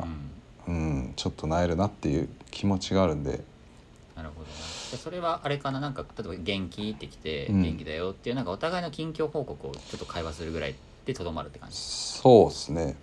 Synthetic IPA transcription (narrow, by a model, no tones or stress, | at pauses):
ɯ̟̃ː | ɯ̟̃t͡ɕo̞t̪ʰːo̞naeɾɯ̟nat̪ːejɯ̟ːkʲʰimo̞t͡ɕiɡaːɾɯ̟̃nd̪e̞̰ | naɾɯ̟ho̞d̪o̞ned͡ʑaso̞ɾe̞βaʔaɾe̞kananãŋkat̪at̪ebaɡẽ̞ŋkʲit̪ːe̞kʲi̥t̪e̞ɡɡẽ̞ŋkʲid̪ajo̞t̪ːeiɯ̟nãŋkaot̪aɡaino̞kʲĩŋkʲo̞ːho̞ːko̞kɯ̟o̞̰t͡ɕo̞t̪ːo̞kʰaiβasɨɾɯ̟ɡɯ̟ɾa̰i | d̪̥et̪o̞d̪o̞maɾɯ̟t̪ːekã̰ɲd͡ʑi̥soːsɨne̞